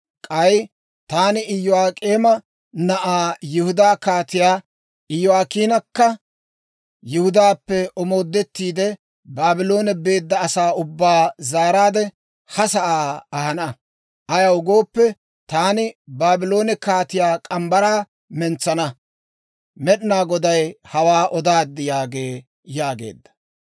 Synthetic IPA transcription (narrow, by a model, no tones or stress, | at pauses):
kʼɐj | t̪aːnɪɪjɔaːkʼeːmɐ | nɐʔaːjɪhʊd̪aːkaːt̪ɪjaː | ɪjɔaːkiːnɐkːɐ | jɪhʊd̪aːpːɛɔmo̞ːd̪ːɛt̪ːiːd̪ɛ | baːbɪlo̞ːnɛbe̞ːd̪ːɐːsaːʊbːaːzaːɾaːd̪ɛ | hɐsɐʔaːɐhɐnɐ | ʔɐjɐwʊɡo̞ːpːɛ | t̪aːnɪbaːbɪlo̞ːnɛkaːt̪ɪjaːkʼɐmbɐɾaː | mɛnt͡sːɐnɐ | mɛɗɪnaːɡɔd̪ɐjhɐwaːʔɔd̪aːd̪ːɪjaːɡe̞ː | jaːɡe̞̰ːd̪ːɐ̥